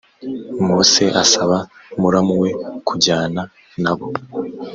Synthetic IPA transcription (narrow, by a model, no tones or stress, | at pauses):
mose̞ʔasaβamuɾamuwe̞kʰuɟaːna | naβo̞